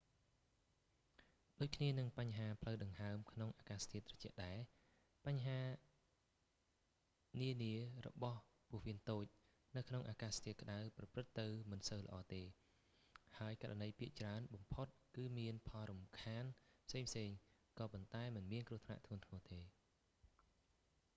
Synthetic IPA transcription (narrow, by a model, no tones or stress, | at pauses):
ɗoːc̚kʰniənɨŋpaɲɦaːpʰləwɗɨŋɦaəmkʰnoŋʔaːkaːst̪ʰiət̪̚rɔt͡ɕɛ̆əʔɗaɛ | paɲːɦaː | niəniərɔ̰ɓɑh | puəhʋiənt̪oːc̚ | nɨwkʰnoŋʔaːkaːst̪ʰiəkə̆ɗawprɑprɨt̪ːɨwmɨnsəwləʔɑːt̪eː | haəjkaɾanɗəjpiəʔt͡ɕraənɓɑmpʰot̪̚kɨːmiənpʰɑlɾumkʰaːnpʰseːŋpʰseːŋkɑːpont̪aɛmɨnmiənkruəht̪ʰna̰ʔt̪ʰuənt̪ʰŋuət̪eː